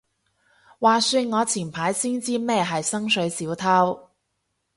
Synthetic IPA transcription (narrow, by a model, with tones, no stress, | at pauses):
waː˨˩syː˧nŋɔː˨˧t͡sʰiː˨˩npʰaː˨˥jsiː˥nt͡siː˥mɛː˥ɦɐ˨jsɐ˥ŋsɵ˨˥ɥsiː˨˥wt̪ʰaː˥w